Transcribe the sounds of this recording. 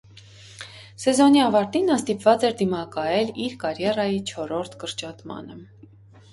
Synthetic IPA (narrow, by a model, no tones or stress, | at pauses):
sɛzɔniɑvɑɾt̪inːɑnst̪ipvɑt͡sɛɾd̪imɑkɑjɛliɾkɑɾjɛrɑjit͡ʃʰɔɾɔɾt̪ʰkəɾt͡ʃɑt̪mɑ̰nə